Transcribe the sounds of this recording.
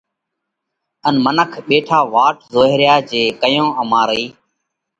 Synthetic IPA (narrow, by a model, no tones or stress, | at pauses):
ənmənəkʰɓeːʈʰaːʋaːʈzoːɦɾjaːd͡ʒeːkəjõːʔəmãːɾəiː